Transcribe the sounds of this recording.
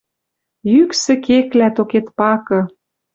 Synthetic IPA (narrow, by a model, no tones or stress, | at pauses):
jyksɘ̆keklæt̪oket̪pɑkɤ̆